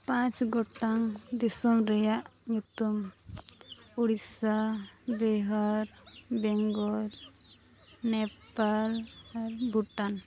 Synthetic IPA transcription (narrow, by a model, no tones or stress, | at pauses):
pãt͡ʃɡɔʈaŋd̪isɔmɾɛjaʔɲut̪um | uɽisabɛɦɔɾbɛŋɡɔɾ | nɛpal | aɾbuʈːan